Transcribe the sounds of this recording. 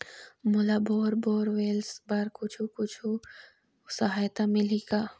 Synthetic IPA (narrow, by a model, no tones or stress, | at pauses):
mʊlaboːɾboːɾʋeːlsbaɾkʊt͡ʃʰukʊt͡ʃʰu | sɐɦaːjt̪amɪliɡaː